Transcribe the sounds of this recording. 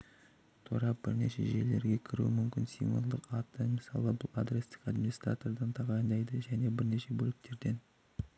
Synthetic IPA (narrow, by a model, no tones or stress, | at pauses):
t̪ʰuɾɑp̚b̥ɪɾne̞̰ʃe̞̰ʒe̞̰le̞ɾɡʲe̞kʲʰɪɾṵɪmʏmkʲɪnsḭjmvṵlˠd̪əqɑt̪ːəmɪsɑlˠəbʊlˠa̰d̪ɾest̪ɪ̥kad̪mʲinist̪ra̰t̪o̞rd̪ɑnt̪ʰɑʁɑjənd̪ɑjd̪əʒæne̞bɪɾne̞ʃe̞bɵlɪk̚t̪ʰe̞ɾd̪e̞n